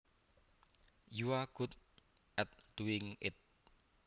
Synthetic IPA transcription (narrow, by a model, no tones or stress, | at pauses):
juwaɡ̥ut̪̚ | ʔɛt̪̚d̪̥uɪŋɪt̪̚